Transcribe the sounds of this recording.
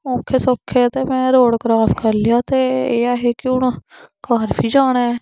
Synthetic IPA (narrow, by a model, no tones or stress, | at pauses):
õːkʰːeːsɔːkʰːet̪eːmɛ̃ːɾoːɽkɾaːskʰəɾlɪjaːt̪eːeːaːɦeːkɪʊɳkaːɾpʰiːd͡ʒaːɽɛː